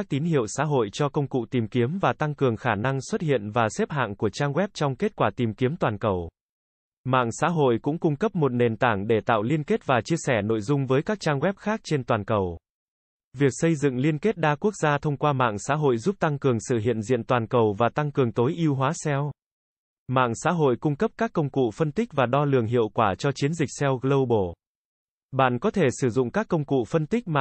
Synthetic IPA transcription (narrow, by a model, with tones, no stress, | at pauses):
a˦˥k̚t̪i˨˦nɦḭ˧˨əwsa̰ː˧˥ɦo̰˧˨jt͡ɕɔ˧kə˧wŋ͡mkṵ˧˨t̪i˨˩mki˨˦əmvaː˨˩t̪a˧ŋkɨ˨˩əŋxaː˧˩na˧ŋswə˦˥t̚hḭ˧˨ənvaː˨˩sɛ˦˥p̚ɦa̰ː˧˨ŋku˧˩ət͡ɕaː˧ŋɣwɛ˦˥p̚t͡ɕɔ˧wŋ͡mke˦˥t̚kwaː˧˩t̪i˨˩mki˨˦əmt̪waː˨˩nkə˨˩w | ma̰ː˧˨ŋsa̰ː˧˥ɦo̰˧˨jkʊ̰˧˥ŋ͡mkʊ˧ŋ͡mkə˦˥p̚mo˨˩t̚ne˨˩nt̪aː˧˩ŋɗe˧˩t̪a̰ː˧˨wli˧ənke˦˥t̚vaː˨˩t͡ɕi˧əsɛ˧˩no̰˧˨jzʊ˧ŋ͡mvəː˨˦jkaː˦˥k̚t͡ɕaː˧ŋɣwɛ˦˥p̚xaː˦˥k̚t͡ɕe˧nt̪waː˨˩nkə˨˩w | vi˨˩ək̚sə˧jzɨ̰˧˨ŋli˧ənke˦˥t̚ɗaː˧ku˦˥ək̚zaː˧t̪ʰə˧wŋ͡mkwaː˧ma̰ː˧˨ŋsa̰ː˧˥ɦo̰˧˨jzu˦˥p̚t̪a˧ŋkɨ˨˩əŋsɨ̰˧˩ɦḭ˧˨ənzḭ˧˨ənt̪waː˨˩nkə˨˩wvaː˨˩t̪a˧ŋkɨ˨˩əŋt̪o˨˦jʔi˧əwɦwaː˨˦sɛ˧w | ma̰ː˧˨ŋsa̰ː˧˥ɦo̰˧˨jkʊ˧ŋ͡mkə˦˥p̚kaː˦˥kːə˧wŋ͡mkṵ˧˨fə˧nt̪ï˦˥k̚vaː˨˩ɗɔ˧lɨ̰˨˩əŋɦḭ˧˨əwkwaː˧˩t͡ɕɔ˧t͡ɕi˨˦ənzï˨˩k̚sɛ˧wlə˧wɓo˧˩ | ɓa̰ː˧˨nkɔ˨˦t̪ʰe˧˩sɨ˧˩zʊ̰˧˨ŋ͡mkaː˦˥kːə˧wŋ͡mkṵ˧˨fə˧nt̪ï˦˥k̚ma˨˩